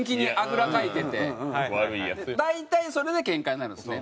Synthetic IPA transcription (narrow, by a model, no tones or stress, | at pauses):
ŋkʲiɲ̟iʔakɯ̟ɾakait̪e̞t̪eaɾɯd̪ait̪aiso̞ɾe̞d̪e̞kẽ̞ŋkaɲinaɾɯ̟̃nsɨne